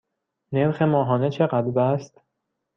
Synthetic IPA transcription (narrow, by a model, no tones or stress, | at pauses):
neɾxe̞mɒːɦɒːnet͡ʃʰeɢæd̪lbæst̪